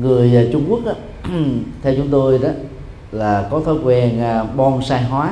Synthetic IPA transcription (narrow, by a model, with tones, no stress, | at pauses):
ŋɨ˨˩əja˨˩t͡ɕʊ˧ŋ͡mku˦˥ək̚ʔa˨˦ | t̪ʰɛ˧wt͡ɕʊ˨˦ŋ͡mt̪o˧jɗɔ˨˦ | laː˨˩kɔ˨˦t̪ʰɔ˨˦jkwɛ˧˩nː˧ɓɔ˧nsaː˧jɦwaː˨˦